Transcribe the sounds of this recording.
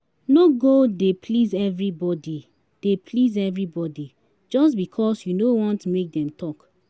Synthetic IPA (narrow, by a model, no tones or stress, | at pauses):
noɡodepʰlizɛvɹibɔdi | d̥epʰlizɛvɹibɔdi | d͡ʒɔstbikʰɔsjunowɔ̃ntmek̚dɛ̃mtʰɔk